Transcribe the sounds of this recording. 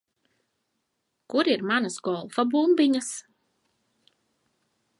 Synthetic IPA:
kuɾiɾmanasɡɔlˠfabumbiɲas

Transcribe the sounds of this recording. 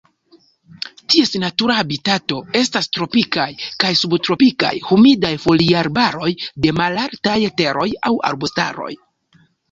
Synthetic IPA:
tie̞sinatuɾaabitato̞e̞stastɾo̞pikajkajsubtɾo̞pika̰jhumidajfo̞liaɾbaɾo̞jde̞malaɾtajte̞ɾʔo̞ja̰wa̰ɾbosta̰ɾo̞̰j

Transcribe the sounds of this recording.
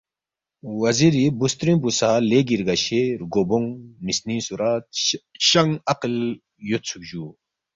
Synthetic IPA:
wɐziɾibust̪ɾĩmpusaːleɡiɾɡaɕeɾɡoboŋnisnĩsuɾaːt̪ɕɐŋɐql | jot̪t͡sʰukd͡ʑu

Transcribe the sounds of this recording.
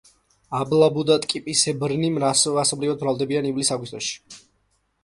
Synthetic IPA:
ablˠabud̪at̪ʼkʼipʼisɛbɾnimɾasasɔblivad̪̚bɾalˠd̪ɛbianivlisaɡwist̪ʼɔʃi̥

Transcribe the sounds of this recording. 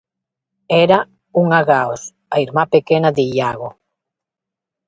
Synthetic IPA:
eɾa | uŋaɣaos | aiɾmapekenaðeiʎaɣo

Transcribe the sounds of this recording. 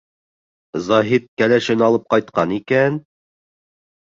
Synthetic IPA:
zɑɦit̪̚kælæʃɘnɑlˠɤp̚qɑjt̪̚qɑnikæn

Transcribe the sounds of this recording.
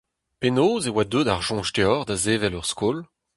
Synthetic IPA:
penoːzewad̪ød̪aʁʒɔ̃ʃteɔʁd̪azeːvɛlœʁskol

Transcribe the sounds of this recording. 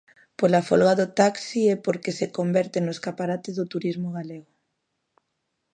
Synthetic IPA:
polafolɣaðot̪aksiɛpoɾkesekombɛɾt̪enoeskapaɾat̪ɪzðot̪uɾizmoɣ̞aleɣʊ

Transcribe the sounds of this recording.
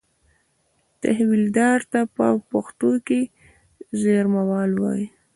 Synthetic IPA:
t̪ahwild̪ɑɾt̪apə̰paxt̪oke | zeɾmawɑlwɑ̰ji

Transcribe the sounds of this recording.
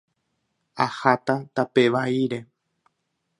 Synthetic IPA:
ahat̪at̪ape̞ʋaiɾe̞

